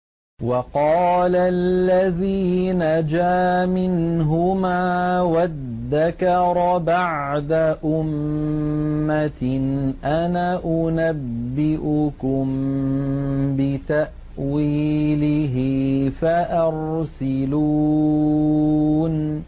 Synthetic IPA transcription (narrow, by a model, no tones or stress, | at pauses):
wɑqɑːlalːaðiːnad͡ʒaːmɪnɦʊmaːwaððːakɑɾˤbaʕd̪aʔʊmː | anʔanaʔʊnabːɪʔʊkʊm | bɪt̪aʔ | wiːlɪɦɪfaʔɑɾsɪluː | n